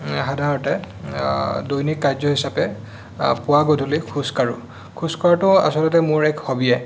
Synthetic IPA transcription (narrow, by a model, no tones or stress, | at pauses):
ɦadʱaɹɔtɛ | dojnikːajzɔɦisapɛ | pʊwaɡodʱolikʰuskaɹu | kʰuskɔɹatʊ̃a̰sɔlɔtɛmʊɹɛkhobiɛ